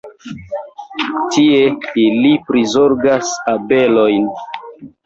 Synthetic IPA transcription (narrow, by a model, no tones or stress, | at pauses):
tieilipɾizo̞ɾɡasabe̞lojn